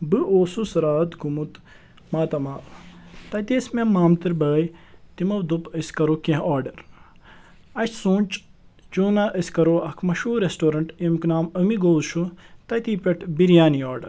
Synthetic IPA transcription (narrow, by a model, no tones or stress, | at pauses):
bɨʔoːsusɐɾaːt̪ɡumut̪ | maːt̪ɐmaːt̪ɐt̪esmemːaːmt̪ɨɾbɐːjt̪imɐwd̪upəskɐɾokẽɦaːɾɖɐɾ | ɐʃsũːnʲt͡ʃ | d͡ʒuːnɐʔəskɐɾoɐkʰmɐʃuːɾesʈoːɾɐɳʈimknaːməmiɡoːzʃut̪ɐt̪iːpeʈbiɾijaːnioːɾɖɐɾ